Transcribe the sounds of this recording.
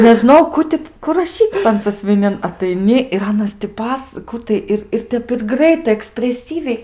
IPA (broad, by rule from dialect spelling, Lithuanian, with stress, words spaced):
nʲɛʒʲɪˈnoːjɛʊ ˈkʊ tʲɪ ˈkʊ rɐˈʃʲiːt͡sʲ tɐn sɐsʲʋʲɪˈnʲɪn ɐtɐɪˈnʲɪ ɪr ˈɑːnɐs tʲɪ ˈpɐs ˈkuː tɐɪ ɪr ɪr ˈtʲɛp ɪr ˈɡrɐɪtɐɪ ɛksʲpʲrʲɛˈsʲiːʋʲɛɪ